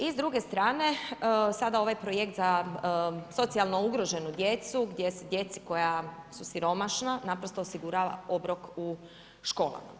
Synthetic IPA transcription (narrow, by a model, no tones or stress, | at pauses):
izd̪ɾuɡe̞st̪ɾaːne̞sad̪ao̞ʋajpɾo̞jekt̪za | so̞t̪sialˠno̞uɡɾo̞ʒe̞nud̪je̞t̪suɡd̪je̞sed̪je̞t̪si̥ko̞jasusiɾo̞maʃnanapɾo̞st̪o̞ːsiɡuɾaːʋa̰o̞bɾo̞ku | ʃko̞ːlˠa̰ma̰